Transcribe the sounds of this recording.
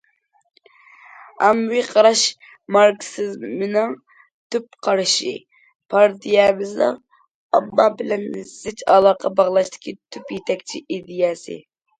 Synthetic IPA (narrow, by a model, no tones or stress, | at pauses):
ɑmwiqʰɑɾɑʃ | mɑɾksɨzmɨnɨŋ | t̪ʰypqʰɑɾɨʃḭ | pʰɑɾd̪ijɛbɨzlɨ̰ | ɑbːɑbɪlɛnzɪt͡ʃɑ̰lˠɑqʰɑbɑʁlˠɑʃt̪ʰɪ̥kʲʰit̪ʰypjet̪ʰɛkʲt͡ʃʰiʔid̪ijɛsɨ̰